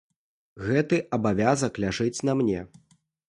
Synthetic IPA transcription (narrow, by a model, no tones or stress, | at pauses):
ɣɛt̪ɨʔɐbavʲazɐklʲaʐɨt͡sʲnɐmnʲɛ